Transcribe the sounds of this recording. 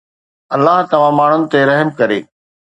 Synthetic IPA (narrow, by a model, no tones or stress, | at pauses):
ɐlːaɦt̪ɐʋ̤ãmaːɳ̤ʊnɪ̆t̪eɾɐɦmkɐɾḛː